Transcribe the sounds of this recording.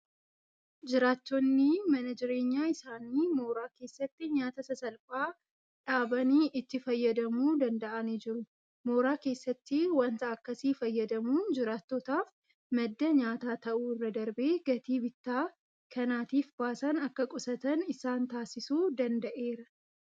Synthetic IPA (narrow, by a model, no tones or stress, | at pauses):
d͡ʒɪɾaːt̪ːɔnːɪmɐnɐd͡ʒɪɾe̞ːɲːaːɪsaːniːmo̞ːɾaːke̞ːsːɐt̪ːɪɲaːt̪ɐsɐsɐlfaː | ᶑaːbɐniːʔɪt̪ːɪfɐjːɐd̪ɐmuːd̪ɐnd̪ɐʔɐniːd͡ʒɪɾʊ | mo̞ːɾaːke̞ːsːɐt̪ːɪwɐnt̪ɐɐkːɐsiːfɐjːɐd̪ɐmuːnd͡ʒɪɾaːt̪ːot̪aːf | mɐd̪ːɐɲaːt̪aːt̪ɐʔuːɪrːɐd̪ɐɾbe̞ːɡɐt̪iːbɪt̪ːaː | kɐnaːt̪iːfb̥aːsɐnɐkːɐkʼʊsɐt̪ɐnɪsaːnt̪aːsɪsuːd̪ɐnd̪ɐʔe̞ːɾɐ